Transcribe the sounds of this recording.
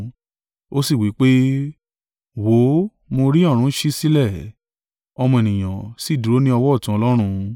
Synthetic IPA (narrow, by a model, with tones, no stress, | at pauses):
o˦si˦˨wi˨˦k͡pe˦ | wo˨˦ | mo˧ɾi˦ɔ˦˨ɾ̃ũ˨˦ʃi˦si˦lɛ˦˨ | ɔ˧mɔ̃˧e˨nĩ˨j̃ã̰˨si˨˦˨du˨ɾo˦nĩ˦ɔ˧wɔ˦˨tũ˨˦ɔ˧lɔ˦ɾ̃ũ˧